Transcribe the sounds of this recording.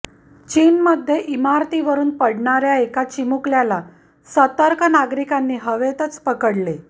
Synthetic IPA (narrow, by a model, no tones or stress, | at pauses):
t͡ɕiːnməd̪ʱːjeʔimaɾt̪iʋəɾuːnpəɽɳaɾjaekat͡ɕimukljala | sət̪aɾkʰənaɡɾikanːiːɦəʋet̪ət͡spəkəɽle